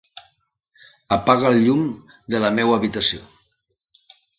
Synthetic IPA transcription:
əpaɣəlʎum | d̪ələmewəβit̪əsio

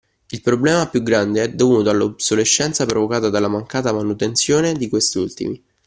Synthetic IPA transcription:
ilpɾoblɛːmapjuɡɾand̪eɛd̪ːovnuːt̪oalːobsoleʃːɛnt̪sapɾovokaːt̪ad̪alːamaŋkaːt̪amanut̪ent̪sjoːned̪ikwest̪iult̪ḭmi

